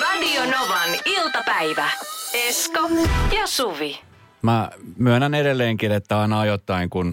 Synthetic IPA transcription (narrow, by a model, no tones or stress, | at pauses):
ʋælionoʋɑnilt̪ɑpæiʋæeskɑjɑsuʋi | mæmyønænedelːeːŋkinet̪ːæɑinɑɑjot̪ːɑiŋkun